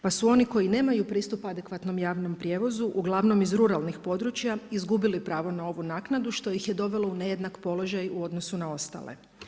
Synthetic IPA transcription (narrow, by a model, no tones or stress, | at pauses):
pasuo̞niko̞jine̞ːmajupɾiːst̪upad̪ekʋat̪no̞mjaːʋno̞mpɾʲje̞ʋo̞zuʔuɡlˠaʋno̞mizɾuɾalnixpo̞d̪ɾut͡ɕjaizɡubilipɾaːʋo̞nao̞ʋunaːknad̪uʃt̪o̞jixje̞d̪o̞ʋe̞lˠo̞une̞je̞d̪nakpo̞lo̞ʒajuo̞d̪no̞sunao̞st̪a̰ːlḛ